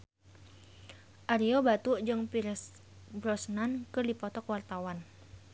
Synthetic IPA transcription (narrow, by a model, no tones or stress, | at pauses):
ʔaɾiobat̪uʔd͡ʒɨŋpiɾs | bɾɔsnankɨrdipɔt̪ɔkwart̪awan